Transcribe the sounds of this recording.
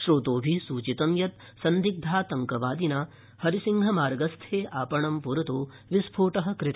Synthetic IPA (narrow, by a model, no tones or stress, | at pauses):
ʃɾoːt̪oːbʱisuːt͡ʃit̪ɐmjɐt̪̚ | sɐnd̪ʱik̚d̪ʱaːt̪ɐŋkɐʋaːd̪inaː | hɐɾisiŋɡʱɐmaːɾɡɐst̪ʰeːʔaːpɐɳɐmpuɾɐt̪oː | ʋispʰoːʈɐɦɐ̆kɾɪt̪ː